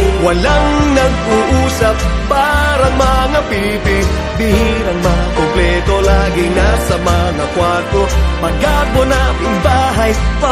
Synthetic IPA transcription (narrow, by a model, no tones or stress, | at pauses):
wɐlaŋnɐɡ̚ʔʊʔuːsɐp̚ːaːɾɐŋmɐŋapi | pɪ | t̪ɪhiɾɐŋmɐŋakomplɛt̪olaːɡɪnasɐmɐŋakwaɾt̪omɐɡabonapɪŋbaːɦɐjp